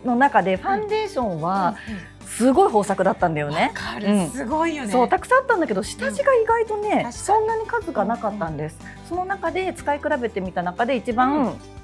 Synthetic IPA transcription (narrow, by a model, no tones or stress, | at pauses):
no̞nakad̪e̞ɸãnd̪e̞ːɕõ̞ɰ̃βa | sɨɡo̞iɦo̞ːsakɯ̟d̪at̪ːãnd̪ajo̞ne̞ɯ̃ɴoisso̞ːt̪akɯ̟sãːt̪ːãnd̪ake̞d̪o̞ɕi̥t̪aʑiɡaiɡait̪o̞ne̞sõ̞nːaɲ̟ikazɨɡanakat̪ːãnd̪e̞sɨ̥ | so̞no̞nakad̪e̞t͡sɨ̥kaikɯ̟ɾabe̞t̪e̞mʲit̪anakad̪e̞it͡ɕibã